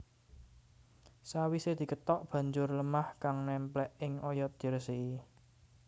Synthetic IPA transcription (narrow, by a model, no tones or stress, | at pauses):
sawised̪̥i̤kət̪ɔʔb̥ä̤ɲd͡ʒʊrləmahkaŋnɛmplɛʔɪŋʔɔjɔt̪̚d̪̥i̤ɾəsiʔi